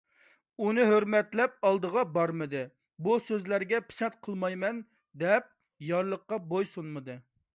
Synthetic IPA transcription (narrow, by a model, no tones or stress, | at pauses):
unɨɦøɾmɛt̪lɛp̚ɑlˠd̪əʁɑbɑɾmɨd̪ɨ | busøzlæɾɡʲɛpʰɪ̥sɛnt̪̚qʰəlˠmɑjmɛn | d̪ɛp̚ | jɑɾlˠəqːɑbojsunmɨd̪ɨ